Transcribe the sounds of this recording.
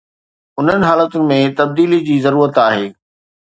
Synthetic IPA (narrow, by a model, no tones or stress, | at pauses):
ʊn̤ənɪ̆ɦaːlət̪ʊnɪ̆mẽt̪ɐb̚d̪iːlid͡ʑiːzɐɾuːɾət̪aːɦeː